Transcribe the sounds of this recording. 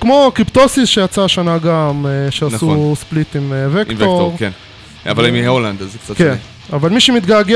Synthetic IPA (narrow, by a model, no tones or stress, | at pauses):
kmo̞kipt̪osisʃejat͡saʃanaɡameʃeansusplit̪imevektvooʁken | a̰valimiheoland̪azek̚t͡satken | avalmiʃemit̪ɡaɡe